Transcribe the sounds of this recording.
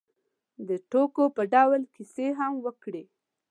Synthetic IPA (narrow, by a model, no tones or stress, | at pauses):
d̪əʈokopəɖawlkiseɦamwəkɽe